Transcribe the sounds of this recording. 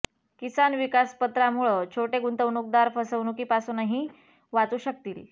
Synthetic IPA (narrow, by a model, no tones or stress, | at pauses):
kisanʋikaspət̪ɾamuɭəːt͡ɕʰoʈeɡunt̪əʋnuk̚d̪aɾfəsəʋnukiːpasunaɦĩ | ʋat͡s̪uːɕək̚t̪iːl